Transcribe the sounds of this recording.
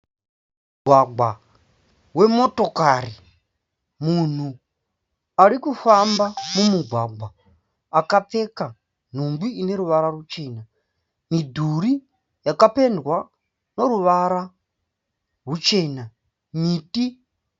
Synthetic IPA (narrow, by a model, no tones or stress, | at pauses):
uɡʱwaɡwa | we̞moto̞kari | mun̤u | aɾikufambamumuɡʱwaɡʱaː | kate̞ka | n̤umbiine̞ɾuʋaɾarut͡ʃe̞ːna | midʱuɾi | jakape̞ndwa | no̞ɾuʋaɾa | rut͡ʃe̞na | miːti